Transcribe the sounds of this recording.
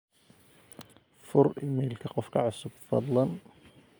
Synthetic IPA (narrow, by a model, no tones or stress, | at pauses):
fʊɾɪmɛːlkʰɐqɔfkʰɐʕʊsʊb̚fɑ̰d̪ˤlɑn